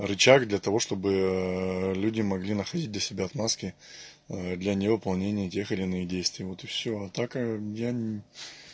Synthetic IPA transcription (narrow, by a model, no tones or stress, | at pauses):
rɨt͡ɕakd̪lʲɐt̪ɐvo̞ʂt̪o̞bɨ | lʲudʲɪmɐɡlʲinəxɐdʲit̚d̪lʲəsʲɪbʲaɐt̪maskʲɪ | d̪lʲɐnʲɪvɨpɐlˠnʲenʲɪjətʲe̞xɨlʲɪnɨxdʲejst̪vʲɪjvo̞t̪ɪfsʲoɐt̪akəja